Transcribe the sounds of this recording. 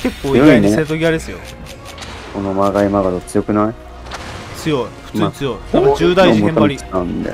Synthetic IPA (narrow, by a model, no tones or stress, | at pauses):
ke̞kːoːioɡaiineseɾɯt̪oɡʲiad̪esɨjo̞̰ | konomaɡaimaɡad̪ot͡sɨjo̞kɯ̟nai | t͡sɨjo̞iɸɯ̥ɨːɲit͡sɨjo̞it̪abad͡ʑɨːd̪aiembaɾʲiãnd̪ḛ